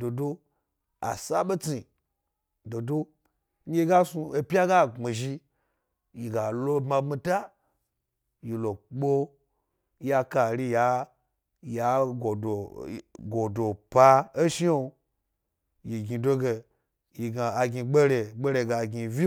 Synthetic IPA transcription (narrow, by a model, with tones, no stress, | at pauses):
do˨do˦ | a̰˨sa˦ɓe˦t͡si˨ | do˨do˦ | e˦ɡa˦su˧e˧pʲja˦ɡa˦˨ŋ͡mi˨ʒi˧ | ji˨ɡa˨lo˦bma˧bmi˧ta˦ | ji˨lo˨k͡po˦ | ja˧ka˨ɾʲi˧ja˨˦ | ja˨˦ɡo˨o˨ɡo˨do˨pa˧e˦ʃi˦o˧ | ji˨ɡʲi˨do˦ɡe˧ | ji˨ɡa˨a˨ɡʲi˧ɡ͡be˦ɾe˨ɡ͡be˦ɾe˧˨ɡa˨ɡʲi˨vi˦